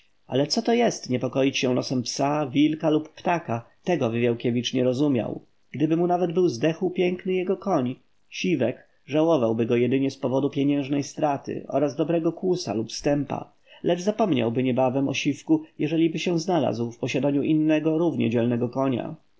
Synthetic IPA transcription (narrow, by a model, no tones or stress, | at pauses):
a̰lɛt̪sɔt̪ɔjɛst̪ɲɛpɔkɔjit͡ɕɕɛlɔ̰sɛmpsavʲilkalupːt̪akat̪ɛɡɔvivʲjawkʲɛvʲit͡ʂɲɛɾɔzumʲja̰w | ɡ̥d̪ɘbɘmunavɛd̪bɘwzd̪ɛxwpʲjɛŋknɘjɛɡɔkɔɲ | ɕivɛk | ʐawɔvawbɘɡɔjɛd̪ɘɲɛspɔvɔd̪upʲjeɲɛ̃w̃ʐnɛjst̪ɾat̪ɘ̰ʔɔ̰ɾazd̪ɔbɾɛɡɔkwusa̰lupst̪ɛmpa̰ | lɛd͡ʐzapɔmɲa̰wbɘɲɛbavɛmɔ̰ɕifkujɛʐɛlʲibɘɕɛznala̰zwfpɔɕad̪aɲuʔinːɛɡɔɾuvɲɛ̰d͡ʑɛlnɛɡɔkɔɲa̰